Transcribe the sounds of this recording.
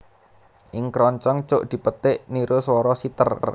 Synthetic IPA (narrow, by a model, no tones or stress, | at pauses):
ʔɪŋkɾɔɲt͡ʃɔŋt͡ʃʊʔd̪̥i̤pət̪ɪʔniɾoswɔɾɔsit̪ərr